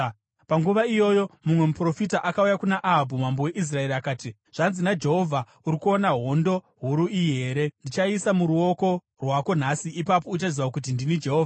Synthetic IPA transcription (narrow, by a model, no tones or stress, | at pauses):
paŋɡuʋaijo̞jo̞mumwe̞mupro̞fitaʔakaujakunaʔaɦabʱumambo̞we̞ʔis̬rae̞ɾiakaːti | ʐ̥anzinad͡ʒe̞ɦo̞vʱa | uɾikuo̞naɦo̞ndo̞ | ɦuɾuiɦe̞ːɾe̞ndit͡ʃaisamuɾuo̞ko̞ | rwako̞n̤asiipap̬o̞ut͡ʃaziʋakut̬indinid͡ʒe̞ɦo̞ːva